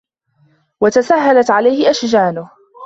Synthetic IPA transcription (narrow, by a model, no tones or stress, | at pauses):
wat̪asaɦːalat̪ʕalajhɪʔaʃd͡ʒaːnʊh